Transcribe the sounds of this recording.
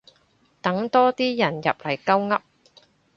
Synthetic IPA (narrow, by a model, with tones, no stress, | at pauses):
t̪ɐ˨˥ŋt̪ɔː˥t̪iː˥jɐ˨˩njɐ˨p̚lɐ˨˩jkɐ˥wŋɐ˥p̚